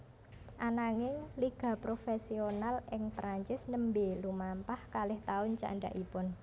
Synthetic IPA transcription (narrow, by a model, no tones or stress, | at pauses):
ʔanaŋɪŋliɡ̥a̤pɾofesionalʔɪŋt̪ɾaɲt͡ʃɪsnəmbelumampahkalɪht̪aʊnt͡ʃa̰ɳɖa̰ʔipʊn